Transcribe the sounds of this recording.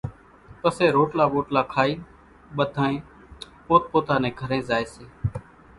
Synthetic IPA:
pəseːɾoːʈlaːʋoːʈlaːkʰaːiː | ɓəd̪ʱãːẽː | poːt̪̚poːt̪ãːnẽːɡʱəɾẽːzaːeːseː

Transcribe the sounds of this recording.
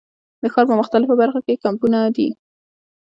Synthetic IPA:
d̪əxɑɾpəmʊxt̪alɪfobaɾxakekampunad̪ḭ

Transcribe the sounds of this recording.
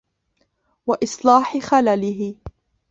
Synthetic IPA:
waʔɪsˤlɑːħɪxalalɪɦɪ

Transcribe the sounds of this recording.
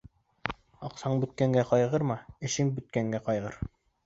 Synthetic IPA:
ɑqsɑɴbɵ̆t̪̚kæŋɡæqɑjʁɤɾmɑɘ̆ʃɘŋbɵ̆t̪̚kæŋɡæqɑjʁɤɾ

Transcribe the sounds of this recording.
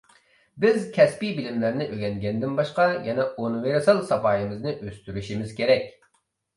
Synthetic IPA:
bɪzkʲʰɛspibɪlɪmlæɾnɪʔøɡʲɛŋɡʲɛnd̪ɪnbɑʃqɑjɛnɛonweɾɪsɨlˠsɑpɑːjɨmɨznɨʔøst̪yɾyʃimɪz̥kʲʰeɾɛkʲ

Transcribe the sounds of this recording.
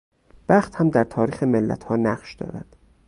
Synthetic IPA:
b̥æχt̪hæmd̪æɾt̪ʰɒːɾiːxemelːæ̰t̪ʰhɒːnæɢʃd̪̥ɒ̰ːɾæ̰d̪̥

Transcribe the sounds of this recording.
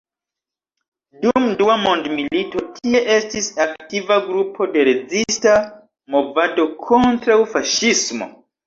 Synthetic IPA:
dumduamo̞ndmilito̞tʰie̞ʔe̞stisaktivaɡɾupʰo̞de̞ɾe̞d͡zista | mo̞vado̞kʰo̞ntɾawfaʃismo̞̰

